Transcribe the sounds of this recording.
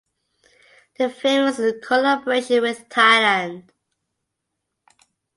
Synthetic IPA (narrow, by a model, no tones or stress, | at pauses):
ðəfẽɪ̃məskʰəlabəɹeɪʃə̃nwɪð̥tʰaɪlə̃nd̥